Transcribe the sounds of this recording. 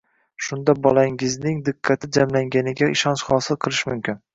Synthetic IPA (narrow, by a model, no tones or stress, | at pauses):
ʃʊnd̪abɒlˠaŋɪznɪŋd̪ɪqʰːɑt̪ʰɪd͡ʒamlaŋɡʲanɪɡʲaɪʃɒnʃχɒːsɪlˠqʰɨlˠɪʃmʊmkʲɪn